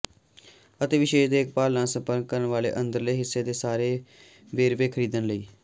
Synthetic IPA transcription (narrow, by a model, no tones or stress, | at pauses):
ət̪eːʋɪʃeːʃd̪eːk̚paːlnãːsə̃mpəɾk̚kəɾənʋaːlḛːʔənd̪əɾləiːɦɪsːeːd̪eːsaːɾeː | ʋeːɾʋeːkʰəɾiːd̪ənləiː